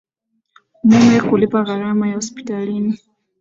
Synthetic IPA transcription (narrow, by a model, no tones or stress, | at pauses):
mumɛkulipaɣaɾamajahɔspi̥talini